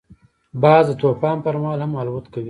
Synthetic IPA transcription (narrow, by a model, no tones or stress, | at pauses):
bɑːzd̪ət̪opɑːnpəɾmɑːlhamɑlwut̪kawi